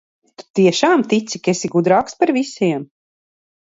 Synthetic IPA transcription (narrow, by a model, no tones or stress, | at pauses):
t̪u̥t̪iɛʃaːmt̪it̪sikesiɡud̪ɾaːkspaɾvisiɛm